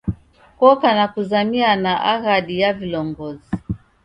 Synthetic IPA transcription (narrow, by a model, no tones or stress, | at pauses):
kɔkanakuzamianaʔaɣaɗijavilɔŋɡɔzi